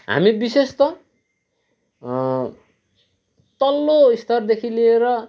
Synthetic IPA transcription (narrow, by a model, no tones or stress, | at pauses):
ɦa̰mibisest̪ʌ | t̪ʌlːoist̪ʰʌrd̪ekʰilieɾʌ